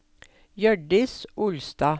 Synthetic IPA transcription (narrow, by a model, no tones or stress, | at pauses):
jœɖɪsʔʊlst̪ɑː